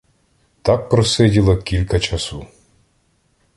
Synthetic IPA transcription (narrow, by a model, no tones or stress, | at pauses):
t̪ak̚pɾɔsɛdʲilˠɐkʲilʲkɐt͡ʃɐsɔ